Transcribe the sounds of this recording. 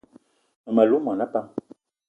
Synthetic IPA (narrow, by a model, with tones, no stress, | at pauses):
ma˨lu˨˦mã˨na˦pa˦m